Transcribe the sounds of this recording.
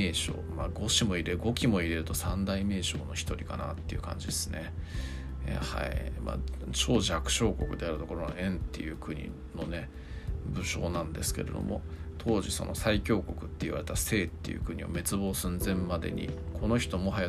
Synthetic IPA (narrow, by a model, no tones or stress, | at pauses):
eːɕo̞̰ːmaɡo̞ɕimo̞iɾe̞ɡo̞kʲimo̞iɾe̞ɾɯ̟t̪o̞sãnd̪aime̞ːɕo̞̰ːno̞çʲi̥t̪o̞ɾʲikanat̪ːe̞iɯ̟kʰã̰ɲ̟d͡ʑid̪e̞sɨne̞̰ | ha̰ima̰ːt͡ɕo̞ːʑakɯ̟̥ɕo̞ːko̞kɯ̟d̪e̞aɾɯ̟t̪o̞ko̞ɾoŋaẽ̞nt̪ːe̞jɯ̟ːkɯ̟ɲ̟ḭ | no̞ne̞ | bɯ̟ɕo̞̰ːnãnd̪e̞sɨ̥ke̞̰ɾe̞̰d̪o̰mo̞t̪ʰo̞ːʑiso̞̰no̞saikʲo̞ːko̞kɯ̟̥t̪ːeiβa̰ɾe̞t̪ase̞ːt̪ːe̞jɯ̟̰ːkɯ̟ɲ̟io̞̰me̞t͡sɨbo̞ːsɨ̃nzẽ̞mmad̪e̞̰ɲ̟ḭkʰo̞no̞çi̥t̪o̞mo̞ɦaja